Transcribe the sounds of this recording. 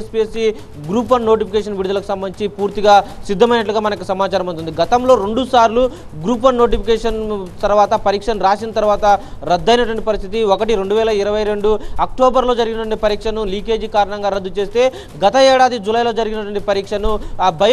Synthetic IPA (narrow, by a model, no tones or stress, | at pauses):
espiesi | ɡɾuːpɐnːo̞ːʈ̬ipʰikeːʂ̬ɐnʋiɽud̪ulɐku̥sɐmbɐniɲt͡ʃipuːɾt̪iɡaːsid̪ʱːɐmɐjnɐʈ̬luɡaːmɐnɐk̬usɐmaːt͡ʃaːɾɐmunt̪und̪iɡɐt̪ɐmlo̞ːɾe̞ɳɖusaːɾlu | ɡɾuːp̬ɐnːo̞ːʈ̬ipʰikeːʂɐnt̪ɐɾʋaːt̪ɐpɐɾiːkʂɐnɾaːsinɐt̪ɐɾʋaːt̪ɐɾɐd̪ːɐjnɐʈʋɐɳʈipɐɾist̪ʰit̪iɔkɐʈiɾe̞ɳɖuʋɛːlɐiɾɐʋɐjɾe̞ɳɖuɐk̚ʈo̞ːbɐɾlo̞ːd͡ʒɐɾiɡinɐt̪ʋɐɳʈipɐɾiːkʂɐnuliːke̞ːd͡ʒikaːɾɐɳɐŋɡaːɾɐd̪ːut͡ʃe̞ːst̪e̞ː | ɡɐt̪ɐɛːɽaːd̪id͡ʒulɐjlo̞ːd͡ʒɐɾiɡinɐʈʋɐɳʈipɐɾiːkʂɐnubʱɐj